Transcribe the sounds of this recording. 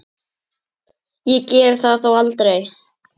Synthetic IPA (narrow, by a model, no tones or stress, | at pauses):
jɛcɛɾ̥θaðθowalt̪ɾej